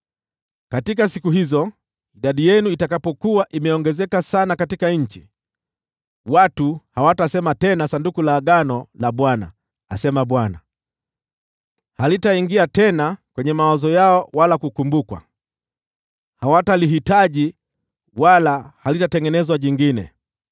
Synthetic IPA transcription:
katikasikuɦizɔ | iɗaɗijɛnuitakapɔkuaʔimɛɔŋɡɛzɛkasanakatikaɲ̩t͡ʃi | watuhawatasɛmatɛnasandukulaːɠanɔlaɓwana̰ː | sɛmaɓwana̰ | halitaiŋɡiatɛnakwɛɲɛmawazɔjaɔwalakukumbukwa̰ | hawataliɦitaʄi | walahalitatɛŋɡɛnɛzwaʄiŋɡinɛ̰

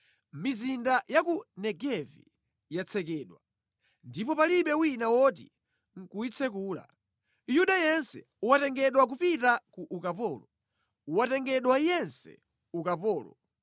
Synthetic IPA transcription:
mizindajakunɛɡɛvḭ | jat͡sʰɛkɛːɗwa | ndipɔpaliɓɛwinawɔt̬ḭ | ŋ̩kuit͡sʰɛkuːla̰ | juɗajɛnsɛ̰ | watɛŋɡɛɗwak̬upitakuʔukapɔːlɔ | watɛŋɡɛɗwajɛnsɛ̰ | ukapɔːlɔ̰

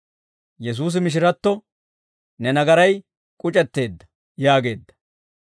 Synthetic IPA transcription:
jɛs̬uːs̬ɪmɪʃ̬ɪɾɐt̪ːɔ | nɛnɐɡɐɾɐj | kʼʊt͡ʃʼɛt̪ːe̞ːd̪ːɐ | jaːɡe̞ːd̪ːɐ̥

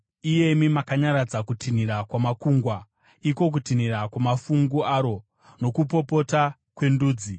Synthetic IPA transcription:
ije̞imimakaɲaɾad͡zakutʰin̤iɾakwamakuːŋɡwa | iko̞k̬utinirakwamafuŋɡuaːɾo̞ | no̞kupo̞po̞ta | kwe̞nduːd͡zi

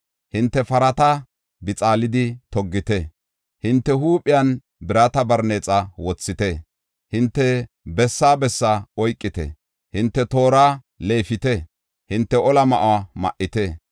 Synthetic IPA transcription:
hɪnt̪ːɛfɐɾɐt̪ɐ | bɪt͡sʼaːlɪd̪ɪt̪ɔɡːɪt̪ɛ | hɪnt̪ːɛɦuːpʼːɪjan | bɪɾaːt̪ɐbɐɾneːt͡sʼɐwɔt͡sːɪt̪ɛ | hɪnt̪ːɛ | bɛsːaːbɛsːaɔjkʼːɪt̪ɛ̰ | hɪnt̪ːɛt̪o̞ːɾaː | le̞ːfɪt̪ɛ | hɪnt̪ːɛʔɔlɐmɐʔamɐ̰ʔːɪt̪ɛ

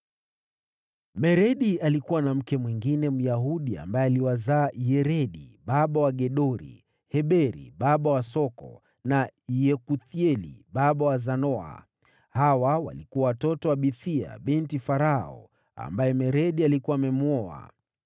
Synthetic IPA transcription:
mɛɾɛɗialikuwanam̩kɛmwiŋɡinɛm̩jaɦuɗia̰mbajɛaliwazaːjɛɾɛɗiɓaɓawaɠɛɗɔɾḭ | hɛɓɛɾḭɓaɓawasɔkɔ̰ | najɛkuθiɛlḭɓaɓawazanɔa̰ | hawawa̰likuwawatɔtɔwaɓiθia̰ɓɛntifaɾaɔ̰ | a̰mbajɛmɛɾɛɗialikuwaːmɛmuɔa̰

